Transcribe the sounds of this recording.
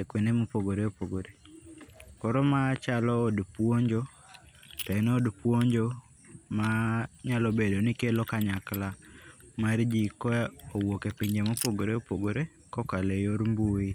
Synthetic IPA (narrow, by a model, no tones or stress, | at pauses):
ekwenemopoɡoɾeopoɡoɾe | kɔɾɔmat͡ʃalɔːdpwoɲd͡ʒo | tɛnodpwoɲd͡ʒo | maɲalɔbedonikelokaɲaklamard͡ʒikwɛowokepiɲd͡ʒemopoɡoɾeopoɡoɾe | kɔkalejoɾmbui